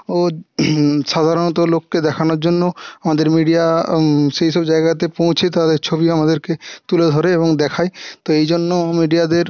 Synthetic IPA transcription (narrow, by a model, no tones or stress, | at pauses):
o | ʃad̪ʱaɾonɔt̪̬olokːed̪ɛkʰanoɾd͡ʑonːoamad̪eɾmiɖijaʃejʃɔbd͡ʑajɡat̪epõw̃t͡ɕʰet̪ad̪eɾt͡ɕʰobiamad̪eɾket̪uled̪ʱɔɾeeboŋd̪ɛkʰajt̪oejd͡ʑonːomiɖijad̪eɾ